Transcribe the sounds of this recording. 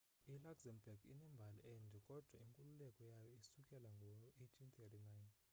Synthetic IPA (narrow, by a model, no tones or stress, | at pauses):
ilakzɛmbaɡḭnɛmbʱaliɛndʱɛkʼɔd̥ʱwaiŋkʼululɛkʼɔjajɔisukʼɛlaŋɡʱɔɔetʰint̪ʰɛtinajn